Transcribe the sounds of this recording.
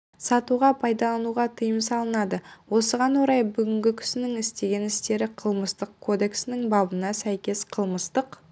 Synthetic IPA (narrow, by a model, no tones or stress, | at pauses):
sɑt̪uʁɑpʰɑjd̪ɑlˠɑnuʁɑt̪ʰəjəmsɑlˠənɑd̪əwo̞səʁɑnwoɾɑjbʏɡʲɪŋɡʲɪkʲʰʏ̥sɪnɪŋɪst̪e̞ɡʲe̞nɪst̪e̞ɾɪqʰəlˠməst̪əq̚kʰo̞d̪e̞ksɪnɪŋbɑbənɑsæjkʲe̞sqʰəlˠməst̪əq